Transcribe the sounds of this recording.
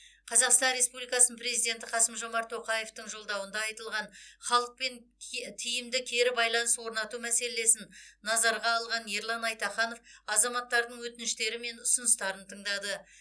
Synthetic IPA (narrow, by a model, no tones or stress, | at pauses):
qʰɑzɑqst̪ɑnɾe̞spublijkɑsnpɾe̞zijd̪ʲe̞nt̪ɪqʰɑsəmʒo̞mɑɾt̪ʰo̞qɑje̞ft̪əɴʒo̞lˠd̪ɑwənd̪ɑɑjt̪əlˠʁɑnχɑlˠəq̚pe̞nt̪ʰijɪmd̪ɪkʲʰe̞ɾɪbɑjlˠɑnəswo̞ɾnɑt̪umæse̞le̞sɪnːɑzɑɾʁɑːlˠʁɑnje̞ɾlˠɑnɑjt̪ɑχɑno̞fɑzɑmɑt̪ːɑɾd̪əɴwɵt̪ɪnɪʃt̪e̞ɾɪme̞nʊsʊnəst̪ɑɾənt̪ʰəɴd̪ɑd̪ə